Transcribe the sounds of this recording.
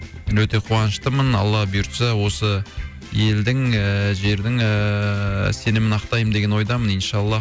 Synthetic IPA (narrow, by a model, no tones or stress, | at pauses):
mɪnwɵt̪e̞qʰuɑnəʃt̪əmənɑ̰lˠːɑbijuɾt̪sɑwo̞sə | je̞ld̪ɪŋʒe̞ɾd̪ɪŋə | se̞nɪmɪnɑqt̪ɑjəmd̪e̞ɡʲe̞nwo̞jd̪ɑmənənʃɑlˠːɑ